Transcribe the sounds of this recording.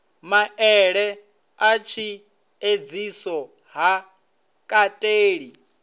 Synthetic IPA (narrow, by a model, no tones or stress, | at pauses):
maʔɛɺɛ | at͡ʃʰi | ed͡zisɔ | ɦa | kʼatʼeːɺi